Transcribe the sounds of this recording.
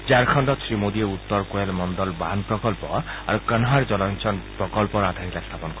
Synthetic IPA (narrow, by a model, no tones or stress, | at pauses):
d͡ʒaɾkʰɔɳɖɔsɾimod̪ieut̪ːɔɾkoelmɔnd̪ɔlba̰npɾɔkɔlpɔa̰ɾukənɦaɾd͡ʒɔlɔnt͡ʃɔnpɾɔkɔlpɔɾad̪ʱaɾilast̪ʰapɔnɔkɔ